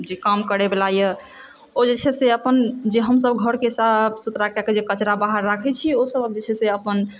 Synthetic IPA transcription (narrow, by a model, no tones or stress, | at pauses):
d͡ʒekamkəɾɛbelaje | od͡ʒet͡ʃʰɛseəpənd͡ʒeɦəmsəbɡʱəɾkeɦisabʰsut̪ɾakaked͡ʒekət͡ʃɾabaɦəɾːakʰɛt͡ʃʰiosəbəbd͡ʒet͡ʃʰɛseəpən